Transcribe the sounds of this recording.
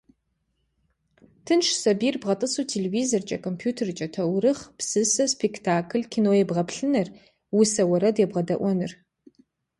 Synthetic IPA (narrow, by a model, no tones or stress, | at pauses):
tʰɨnʂsɐbiːrbʁɐtʼɨsutʰeleviːzort͡ʃʼɐkʰompʰjuːtʰɐrt͡ʃʼɐtʰɐwɾɨχpsɨsɐspʰektʰaːkʰɨlkʰiːnoːjɛbʁɐpɬɨnɐr | wʊsɐwɐɾɐdebʁɐdɐʔʷɔnɨr